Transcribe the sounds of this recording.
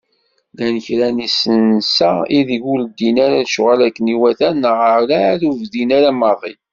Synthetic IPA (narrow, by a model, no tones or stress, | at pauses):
lænəçɾænisənsæiðiʝuld̪inæɾæʃʊʁalækːəniwæθænʁəlæɾuvðinaɾæmɑðˤḭ